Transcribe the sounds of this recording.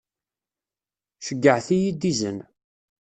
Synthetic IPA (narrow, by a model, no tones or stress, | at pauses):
ʃəɡːəʕθijid̪izən